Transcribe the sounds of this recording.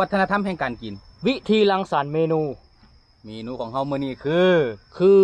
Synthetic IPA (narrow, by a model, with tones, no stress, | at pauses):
a˦˥t̪ʰːa˧a˧t̪ʰa˧˥˨mɦɛː˧˨ŋkaː˨nki˨˩nwi˦˥t̪ʰiː˧la˧ŋsaː˨˦nmeː˧nuː˧ | meː˧nuː˧kʰɔː˨˩˦ŋɦa˧˥˩wmɯ˧˨niː˧˩kʰɯː˧kʰɯː˧